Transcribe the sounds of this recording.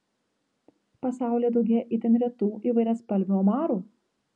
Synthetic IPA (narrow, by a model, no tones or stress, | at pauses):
pɐsɑˑʊlʲeːd̪ɒʊɡʲeːjɛʔɪt̪ʲɛnʲɾʲɛt̪uːʔiːʋɐɪɾʲɛːspɐlʲʋʲuɔmɑːɾuː